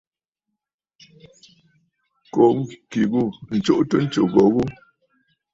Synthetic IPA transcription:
ko˨ŋ̩˦ki˨ɣu˦˨n̩˨t͡ʃo˦˨ʔtə˦n̩˦t͡ʃo˨ɣɔ˨ɣu˦

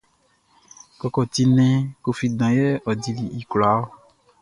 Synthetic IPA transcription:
kɔ˨kɔ˨t̪i˧nɛ̃˦ko˨fi˨dã˨jɛ˦ɔ˨di˨li˨i˨kla˨˦o˦

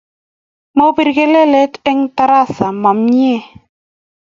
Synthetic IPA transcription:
mo˦bi˨ɾke˦le˦le˦tɪ˦ŋta˦ɾa˦sa˨mɔ˨mɲ˦ɛ˦

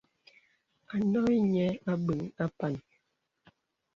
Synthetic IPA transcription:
a˨nɔ˦i˦ɲɛ˦a˦bə˨ŋa˦pa˦˨n

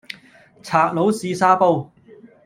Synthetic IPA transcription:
t͡sʰaː˨˩k̚lo˨˥wsiː˧saː˧˥po˧w

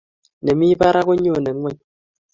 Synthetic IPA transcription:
ne˨mi˦ba˦ɾa˦ko˦ɲo˦˨ne˨n˦ŋwʷɛ˦˨ɲ

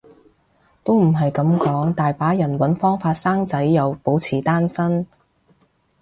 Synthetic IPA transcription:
t̪o˥wm̩˨˩ɦɐ˨jkɐ˨˥mkɔː˨˥ŋt̪aː˨jpaː˨˥jɐ˨˩nwɐ˨˥nfɔː˥ŋfaː˧t̚saː˥ŋt͡sɐ˨˥jːɐ˨wpo˨˥wt͡sʰiː˨˩t̪aː˥nsɐ˥n

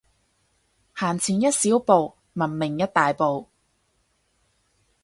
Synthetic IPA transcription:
haː˨˩nt͡sʰiː˨˩njɐ˥t̚siː˨˥wpo˨˧w | mɐ˨˩nmɪ˨˩ŋjɐ˥t̚t̪aː˨jpo˨w

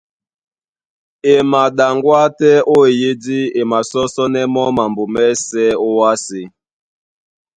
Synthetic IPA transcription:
e˨ma˨ɗa˨ŋɡwa˦tɛ˦ʔo˦e˨je˦di˦e˨ma˨sɔ˦sɔ˦nɛ˦mɔ˦ma˨mbo˨mɛ˦sɛ˦o˦wa˦se˨

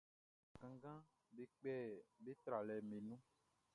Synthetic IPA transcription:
ɡã˨ɡã˦ | be˨k͡pɛ˦˨be˦t̪ɾa˨lɛ˨mẽ˨nũ˦

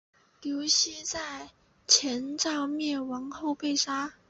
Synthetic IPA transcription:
ljo˧˥ʊɕi˥t͡sa˥˩ɪ | t͡ɕʰjɛ˧˥nʈ͡ʂɑ˥˧ʊmjɛ˥˩nwɑ˧˥ŋxo˥˧ʊpe˥˩ɪʂa˥

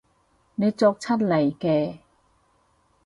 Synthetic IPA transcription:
ne˨˧˥t͡sɔː˧k̚t͡ɕʰa˥t̚lɐ˨˩jkɛː˧

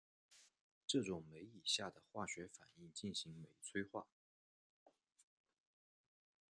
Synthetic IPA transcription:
ʈ͡ʂɤ˥˩ʈ͡ʂʊ˨˩ŋme˧˥ɪi˨˩ɕja˥˩d̪ə˩xwa˥˩ɕɥɛ˧˥fa̰˨˩ni˥˧ŋt͡ɕi˥˩nɕi˧˥ŋme˨˩ɪt͡sʰwe˥ɪxwa̰˥˩

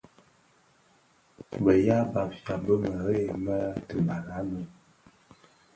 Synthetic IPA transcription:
bə˨ja˦ba˨pja˨bə˦mə˨ɣe˦˨mə˦tə˨ba˨la˨˦mə˨

